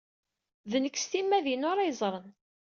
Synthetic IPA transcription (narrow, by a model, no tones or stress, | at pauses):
ðənəkːst̪imːæðinʊɾɑjzˤɾˤən